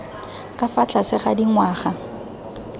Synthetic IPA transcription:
kʼafat͡ɬʼasɪχadiŋwaːχa

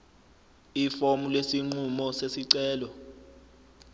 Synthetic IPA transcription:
ifomulesiŋ͡ǃumɔsesiǀɛːlɔ

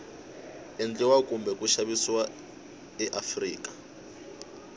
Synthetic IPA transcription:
ɛnd͡ɮɛwakʼumbɛkʼuʃaβiswa | ɛʔafriːkʼḁ

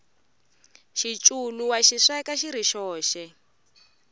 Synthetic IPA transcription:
ʃit͡ʃʼuluwaʃiʂɛkaʃiɾiʃɔːʃɛ

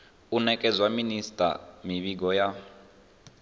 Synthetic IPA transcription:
unɛkʼɛd͡zwaministʼa̰miβiɡɔja

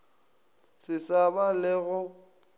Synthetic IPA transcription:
sɪsabalɪɣʊ

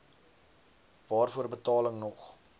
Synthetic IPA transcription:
vɑːrfuərbətɑːləŋnɔχ

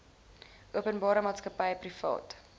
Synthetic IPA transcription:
ʔuəpənbɑːɾəmɑːtskəpɐjprifɑ̰ːt

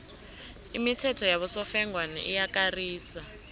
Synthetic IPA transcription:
imitʰɛtʰɔjaβɔsɔfɛŋɡwanɛ̰ʔijakariːsa

